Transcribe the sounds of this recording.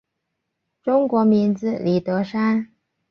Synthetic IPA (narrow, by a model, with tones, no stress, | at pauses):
ʈ͡ʂʊ˥ŋkwɔ˧˥mi˧˥nd͡zɹ̩˥˧li˨˩t̪ɤ˧˥ʂa˥n